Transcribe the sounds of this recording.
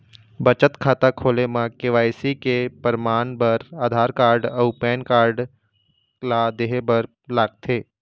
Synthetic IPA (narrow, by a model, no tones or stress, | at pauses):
bət͡ʃət̪kʰaːt̪akʰoːlemãkeʋaːjsikepəɾmaːnbəɾaːd̪ʱaːɾkaːɾɖəʊpɛːnkaːɾɖ | lad̪eːɦebəɾ | laːɡ̚t̪ʰeː